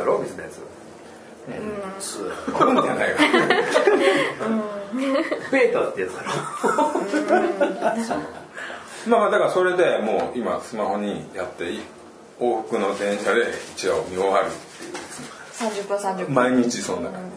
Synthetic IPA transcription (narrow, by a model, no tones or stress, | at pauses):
aɾobʲisɨnḛjsɨ | eskoɾemd͡ʒanaika | beːt̪ot̪ːejat͡sɨ̥aɾo | mamad̪akaɾaso̞ɾe̞d̪e̞mo̞ːima̰sɨmaho̞ɲ̟ijat̪ːe̞ | o̞ːɸɯ̟̥kɯ̟no̞d̪ẽ̞ɰ̃ɕad̪e̞it͡ɕiɡaomʲioβaɾɯt̪ːejɯ̰sne | sãɲd͡ʑɨpːɯ̃sãɲd͡ʒɨmaiɲ̟it͡ɕisõnd̪aka